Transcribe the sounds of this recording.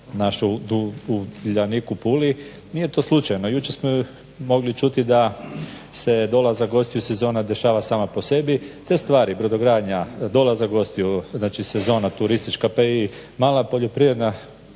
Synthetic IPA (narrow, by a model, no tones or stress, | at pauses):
naʃud̪uuʎanikupuli | nije̞t̪oslˠut͡ʃajnojut͡ʃe̞ɾsmo | mo̞ɡlit͡ʃut̪id̪a | se̞d̪o̞lazaɡo̞st̪ijuse̞zo̞ːnad̪e̞ʃaːʋasaːmapose̞bit̪e̞st̪ʋaːɾibɾod̪oɡɾaːd̪ɲad̪o̞lazaɡo̞st̪ijuznaːt͡ʃise̞zo̞ːnat̪uɾist̪it͡ʃkapai | maːlˠapo̞ʎo̞pɾivɾed̪na